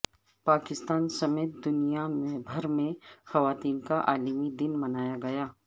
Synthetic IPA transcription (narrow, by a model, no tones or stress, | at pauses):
paːkɪst̪aːnsɐmeːt̪̚d̪ʊnijamẽbʱɐɾmẽxɐʋaːt̪iːnkaʔaːlmid̪ɪnmɐnaːjaɡɐjaː